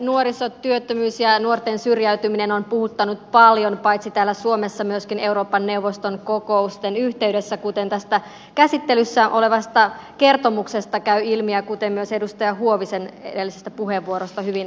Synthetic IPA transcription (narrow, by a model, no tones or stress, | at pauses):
nuoɾisot̪ːyøt̪ːømyːsjɑnuort̪ensyrjæyt̪yminenompuhut̪ːɑnut̪pɑljonpɑjt̪sit̪æːlːæsuomesːɑmyøskine̞uɾo̞ːpːɑnːe̞uʋːost̪oŋkokoust̪enyht̪e̞ydesːækut̪e̞nt̪æst̪æ | kæsit̪ːelysːæʔo̞le̞ʋɑst̪ɑ | ke̞rt̪o̞muksest̪ɑkæyilmiækut̪emmyøse̞dust̪ɑjɑɦuoʋisenḛdelːisest̪æpuɦheʋːuoɾost̪ɑhyʋin